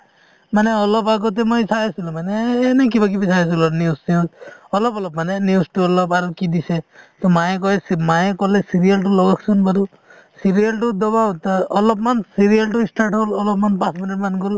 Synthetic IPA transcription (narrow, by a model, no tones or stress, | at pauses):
maneɔlɔpaɡɔt̪̬emɔjsajasilũmaneːnek̬ibak̬ibisʰajas̬ilaniʊsnisɔlɔpɔlɔp̚manenusʈuɔlɔpaɾukid̪iset̪ɔmajekɔesmajekɔlesiɾijalʈulɔɡakʰsɔnbaɾu | siɾialʈud̪ɔbawt̪ɔlɔp̚mansiɾialʈuisʈaɾʈɦɔlɔlɔpmanpasminiʈmankɔl